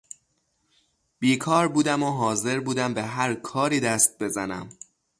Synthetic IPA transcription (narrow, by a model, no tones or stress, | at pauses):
b̥iːkʰɒːɾbuːd̪æmoɦɒːze̞ɾbuːd̪æmbe̞ɦæɾkʰɒːɾiːd̪æst̪̚be̞zænæ̰m